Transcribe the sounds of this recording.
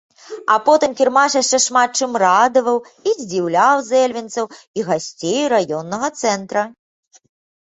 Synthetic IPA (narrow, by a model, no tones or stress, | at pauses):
apɔt̪ɨmkʲirmaʂjaʂt͡ʂɛʂmat̪̚t͡ʂɨmrad̪ɐvɐw | izʲd͡zʲiwlʲawzɛlʲvʲint̪sɐw | iɣasʲt͡sʲejɾajɔnːɐɣɐt̪sɛnt̪ɾɐ